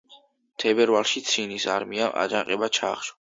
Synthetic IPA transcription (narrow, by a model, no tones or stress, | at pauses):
t̪ʰɛbɛɾvalˠʃit̪sʰinisaɾmiaʔa̰d͡ʒaqʼɛbat͡ʃʰa̰χʃɔ̥